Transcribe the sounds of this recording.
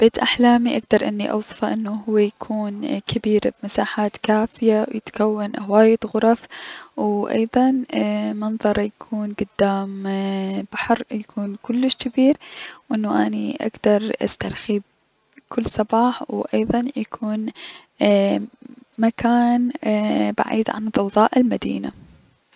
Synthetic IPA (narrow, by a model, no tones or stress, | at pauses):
b̥eːt̪ʔaħlaːmiʔaɡ̚d̪ɑɾˤʔɪnːiʔɑ̰wsˤɨ̥fɑʔɪnːuɦʊwːajakʰuːnkʰabiːɾbmasaːħaːt̪kaːfɪjawjɪt̪kawːanhwaːjɪt̪ɣʊɾˤɑfwʔɑ̰jðˤɑnmɑnðˤɑɾˤjakʰuːnɡʊd̪ːaːm | b̥aħɾjakʰuːnkʊlːɪʃkɪbiːɾwʔɪnːuʔaniʔa̰kd̪ɑɾˤʔa̰st̪aɾˤxiːb̚ | kʰʊlːsˤɑbɑːħwʔɑjðˤɑnjakʰuːn | makaːnba̰ʕḭːd̪ʕa̰nðˤɑwðˤɑːʔɪlmad̪ḭːna̰